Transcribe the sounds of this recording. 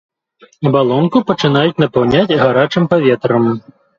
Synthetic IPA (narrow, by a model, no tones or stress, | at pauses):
ɐbalˠɔnkupɐt͡ʂɨn̪ajut͡sʲnɐpawnʲad͡zʲɣaɾat͡ʂɨmpavʲɛt̪ɾɐm